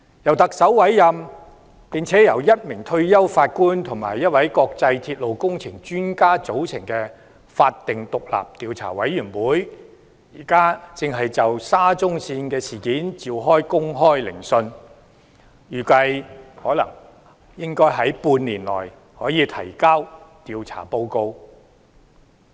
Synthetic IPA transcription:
jɐ˨˩wt̪ɐ˨k̚sɐ˨˥wwɐ˨˥jjɐ˧m | pi˨nt͡sʰɛː˨˥jɐ˨˩wjɐ˥t̚mɪ˨˩ŋt̪ʰɵ˧ɥjɐ˥wfaː˧t̚kuː˥nt̪ʰʊ˨˩ŋma̰ː˨˩jːɐ˥t̚wɐ˨˥jkɔː˧k̚t͡sɐ˧jt̪ʰiː˧t̚lo˨wkʊ˥ŋt͡sʰɪ˨˩ŋt͡ʃyː˥nkaː˥t͡so˨˥wt͡sʰɪ˨˩ŋkɛː˧ | faː˧t̚t̪ːɪ˨ŋt̪ʊ˨k̚la̰ː˨p̚t̪iː˨˧wt͡sʰa̰ː˨˩wɐ˨˥jːyː˨˩nwuː˨˥j | jiː˨˩kaː˥t͡sɪ˨ŋɦɐ˨jt͡sɐ˨wsaː˥t͡sʊ˥ŋsiː˧nkɛː˧siː˨˩kiː˨˥nt͡siː˨˧wɦɔː˥jkʊ˥ŋɦɔː˥jlɪ̰˨˩ŋsɵ˧n | jyː˨˩kɐ˧jhɔː˨˥lɐ̰˨˩ŋ | jɪ˥ŋkɔː˥jɦɐ˨˥jpuː˧nniː˨˩nlɔ̰ː˨˩j | hɔː˨˥jiː˨˧t̪ʰɐ̰˨˩jkaː˥wt̪iː˧wt͡sʰa̰ː˨˩po˧wko˧w

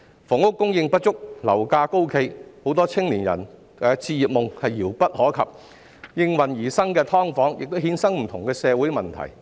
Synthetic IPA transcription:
fʊ˨˩ŋʊ˥kːʊ˥ŋjɪ˧ŋpɐ˥t̚t͡ʃʊ˥k̚lɐ˨˩wkaː˧ko˥wkʰe˧jho˨˥wt̪ɔː˥t͡sʰɪ˥ŋliː˨˩njɐ̰˨˩n | ɛː˨˧t͡sʰiː˧jiː˨p̚mʊ˨ŋhɐ˨jːiː˨˩wpɐ˥t̚hɔː˨˥kʰɐ̰˨p̚ | jɪ˧ŋwɐ˨˩njiː˨˩sɐ˥ŋkɛː˧t̪ʰɔː˥ŋfɔː˨˥ŋjɪ˨k̚t̪o˥whiː˨˥nsɐ˥ŋm̩˨˩t̪ʰʊ˨˩ŋkɛː˧sɛː˨˧wuː˨˥jmɐ˨nt̪ʰɐ̰˨˩j

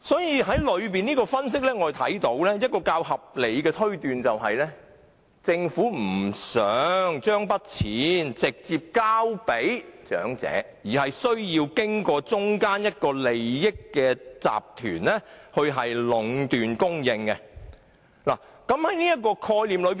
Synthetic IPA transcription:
sɔː˨˥jiː˧ɦɐ˨˥jlɵ˨˧ɥp̬iː˨niː˥kɔː˧fɐ˥ns̬ɪ˥k̚lɛː˥ŋɔː˨˧˨t̪ʰɐ̰˨˥jt̪o˨˥wlɛː˥jɐ˥t̚kɔː˧kaː˧whɐ˨p̚le˨˧jkɛː˧t̪ʰɵ˥ɥt̪yː˨nt͡sɐ˨wɦɐ˨jlɛ˥ | t͡sɪ˧ŋfuː˨˥m̩˨˩sœː˨˥ŋt͡ʃœː˥ŋpɐ˥t̚t͡sʰiː˨˥nt͡sɪ˨k̚t͡siː˨p̚kaː˥wpe˨˥jt͡ʃœ̰ː˨˥ŋt͡sɛ̰ː˨˥ | jiː˨˩ɦɐ˨jsɵ˥ɥjiː˧wkɪ˥ŋkɔː˧t͡sʊ˥ŋkaː˥njɐ˥t̚kɔː˧le˨jːɪ˥kːɛː˧t͡sa̰ː˨p̚t̪ʰyː˨˩nlɛː˥hɵ˧ɥɦɐ˨jlʊ˨˧ŋt̪yː˨nkʊ˥ŋjɪ˧ŋkɛ˧ | la̰ː˨˩kɐ˨˥mhɐ˨˦jniː˥jɐ˥t̚kɔː˧kʰɔː˧jliː˨mlɵ˨˧ɥ

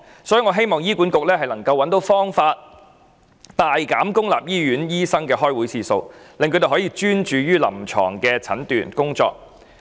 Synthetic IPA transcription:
sɔ˨˥jy˨˧ŋɔː˨˧ɦe˥jmɔː˨ŋjiː˥ku˨˥nkʊ˨k̚lɛː˥ɦɐ˨jlɐ˨˩ŋkɐ˧wːɐ˨˥nt̪o˨˥wfɔː˥ŋfaː˧t̚ | t̪aː˨jkaː˨˥mkʊ˥ŋla̰ː˨p̚jiː˥jyː˨˥njiː˥sɐ˥ŋkɛː˧ɦɔː˥jwuː˨˥jsiː˨˧so̰˧wlɪ˨ŋkʰɵ˧˥t̪e˨˩ɦɔː˨˥jiː˧t͡ʃyː˥nt͡ʃyː˨˧jyː˥lɐ˨˩mt͡ʃʰɔ̰ː˨˩ŋkɛː˧t͡sʰɐ̰˨˥nt̪y̰ː˨˩nkʊ˥ŋt͡sɔ̰ː˧k̚

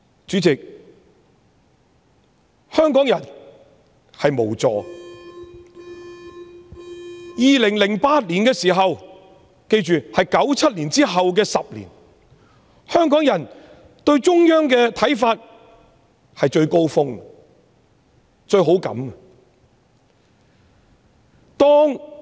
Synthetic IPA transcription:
t͡ʃyː˨˥t͡sɪ˨k̚ | hœː˥ŋkɔː˨˥ŋjɐ˨˩n | hɐ˨jmo˨˩wt͡sɔ̰ː˨ | jiː˨lɪ˨˩ŋlɪ˨˩ŋpaː˧t̚liː˨˩nkɛː˧siː˨˩ɦɐ˨w | ke˧jt͡ʃyː˨hɐ˨jkɐ˨˥wt͡sʰɐ˥t̚liː˨˩nt͡siː˥ɦɐ˨wk̬ɛː˧sɐ˨p̚lḭ˨˩n | hœː˥ŋkɔː˨˥ŋjɐ˨˩n | t̪ɵ˧ɥt͡ʃʊ˥ŋjœː˥ŋkɛː˧t̪ʰɐ˨˥jfaː˧t̚ | hɐ˨jt͡ʃɵ˧ɥko˥wfʊ˥ŋ˨ | t͡ʃɵ˧ɥɦo˨˥wkɐ̰˨˥mɐ˨ | t̪ɔː˥ŋ

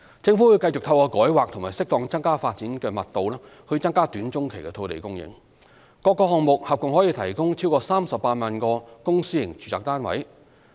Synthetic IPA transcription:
t͡sɪ˧ŋfuː˨˥wu˧jkɐ˧jt͡sʊ˨k̚t̪ʰɐ˧wkɔː˧kɔː˨˥jwaː˨k̚t̪ʰʊ˨˩ŋmaː˨˩sɪ˥k̚t̪ɔː˨˧ŋt͡sɐ˥ŋkaː˥faː˧t̚t͡siː˨˥nkɛː˧mɐ˨t̚t̪o˨wlɛː˥ | hɵ˧ɥt͡sɐ˥ŋkaː˥t̪yː˨˥nt͡sʊ˥ŋkʰe˨˩jkɛ˧t̪ʰo˧wt̪ḛ˨jkʊ˥ŋjɪ̰˧˥ŋ | kɔː˧kːɔː˧hɔː˨ŋmʊ˨k̚hɐ˨p̚kʊ˨ŋhɔː˨˥jiː˧t̪ʰɐ˨˩jkʊ˥ŋt͡sʰi˥wkɔː˧saː˥msɐ˨p̚ːaː˧t̚maː˨˧nkɔː˧kʊ˥ŋsiː˥jɪ̰˨˩ŋt͡ʃyː˨t͡saː˨k̚t̪aː˥nwɐ̰˨˥j

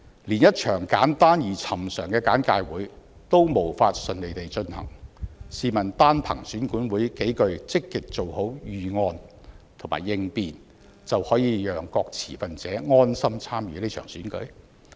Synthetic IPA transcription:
liː˨˩njɐ˥t̚t͡ʃʰœː˨˩ŋkaː˨˥nt̪aː˥njiː˨˩t͡sʰɐ˨˩msœː˨˩ŋkɛː˧kaː˨˥nkaː˧jwuː˨˥j | t̪o˥wmo˨˩wfaː˧t̚sɵ˨nle˨jt̪e˨jt͡ʃɵ˧nhɐ̰˨˩ŋsiː˨mɐ˨˩nt̪aː˥npʰɐ̰˨˩ŋsyː˨˥nkuː˨˥nwuː˨˥jke˨˥jkɵ˧ɥt͡sɪ˥kːɪ˨k̚t͡so˨who˨˥wjyː˨ŋɔː˧n | t̪ʰma̰ː˨˩jːɪ˧ŋpiː˨n | t͡sɐ˨whɔː˨˥jiː˧jœː˨ŋkɔː˧k̚t͡sʰḭː˨˩fɐ˨nt͡sɛː˨˥ŋɔː˥nsɐ˥mt͡sʰaː˥mjy̰ː˨˧le˥t͡ʃʰœ̰ː˨˩ŋsyː˨˥nkɵ̰˨˥ɥ

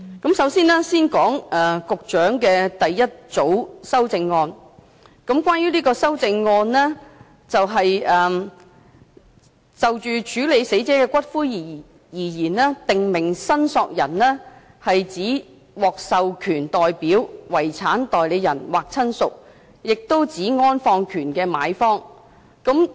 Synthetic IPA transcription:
kɐ˨˥msɐ˨˥wsiː˥nɛː˥siː˥nkɔː˨˥ŋʔɛː˨˩kʊ˨k̚t͡ʃœː˨˥ŋkɛː˧t̪ɐ˨jːɐ˥t̚t͡so˨˥wsɐ˥wt͡sɪ˧ŋːɔː˧n | kɐ˨˥mkʷaː˥njyː˥liː˥kɔː˧sɐ˥wt͡sɪ˧ŋːɔː˧nlɛː˥ | t͡sɐ˨wɦɐ˨jɛː˨ | t͡sɐ˨wt͡ʃyː˨˧t͡ʃyː˨˥le˨˧jse˨˥jt͡sɛː˨˥kɛː˧kʷɐ˥t̚fuː˥ji˨˩ | jiː˨˩jiː˨˩nlɛː˥t̪ɪ˨ŋmɪ˨˩ŋsɐ˥nsɔː˧k̚jɐ˨˩nlɛː˥ | hɐ˨jt͡siː˨˥ | wɔː˨k̚sɐ˨wkʰyː˨˩nt̪ɔː˨jpiː˨˥wwɐ˨˩jt͡sʰaː˨˥nt̪ɔː˨jle˨˧jːɐ˨˩nwaː˨k̚t͡sʰɐ˥nsʊ̰˨k̚ | jɪ˨k̚t̪o˥wt͡siː˨˥ŋɔː˥nfɔː˧ŋkʰyː˨˩nkɛː˧ma̰ː˨˧jfɔː˥ŋ | kɐ˨˥m

